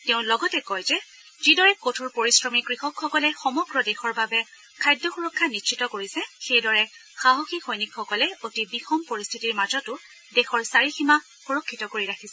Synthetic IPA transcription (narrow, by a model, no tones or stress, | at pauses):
teʊ̃lɔɡɔtɛkɔjzɛ | zidɔɹɛkotʰuɹpoɹisɹɔmikɹixɔkxɔkɔlɛxɔmɔɡɹɔdexɔɹbabɛ | kʰajdːɔxuɹɔkʰːanisʃʰitɔkoɹisɛxejdɔɹɛxaɦoxixɔjnikxɔkɔlɛotibixɔmpoɹistʰitiɹmazɔtʊ | dexɔɹsaɹixima | xuɹɔkʰːitɔkoɹiɹakʰisɛ